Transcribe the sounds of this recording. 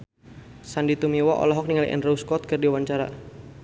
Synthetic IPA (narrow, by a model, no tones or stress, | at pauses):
sandit̪umiwaʔɔ̰lɔɦɔk̚niŋalḭʔɛ̰nrouskɔt̪̚kərdiwaɲt͡ʃaɾa̰